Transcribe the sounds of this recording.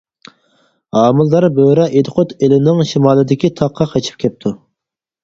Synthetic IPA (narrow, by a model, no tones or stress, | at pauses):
ɑːmɨlˠd̪ɑɾbøɾɛʔet̪ʰɨqʰot̪elɪnɪŋʃimɑːlˠɨd̪ɪkʲit̪ʰɑqʰːɑqʰɛt͡ʃʰi̥p̚kʲʰɛp̚t̪ʰu